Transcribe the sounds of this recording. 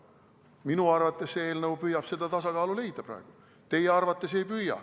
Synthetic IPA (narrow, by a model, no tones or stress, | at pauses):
minuɑrvɑt̪ːˑe̞sseeːlnɤupyjɑb̥se̞d̪̥ɑt̪ɑsɑkɑːlule̞jd̪̥ɑpɾɑ̰eɡ̥u | t̪e̞jeɑrvɑt̪ˑːe̞se̞jpyjːɑ̰